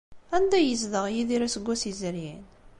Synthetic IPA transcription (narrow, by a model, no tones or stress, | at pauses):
ænd̪æjəzðəʁjiðiɾæsəɡʷːæsizəɾjin